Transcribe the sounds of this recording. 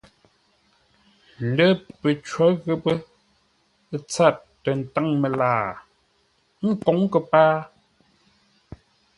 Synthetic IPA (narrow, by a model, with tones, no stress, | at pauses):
n̩˨də˦pə˨t͡ʃwɔ˨˦ɣə˦˨pə˦ | t͡sa˦˨t̚ːə˨n̩˨ta˦ŋmə˨laː˦˨ | ŋ̩˦˨ko˨˦ŋ˦kə˨paː˦